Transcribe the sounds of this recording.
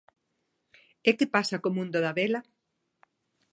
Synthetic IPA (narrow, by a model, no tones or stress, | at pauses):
ekɪpasakomũnd̪oðaβela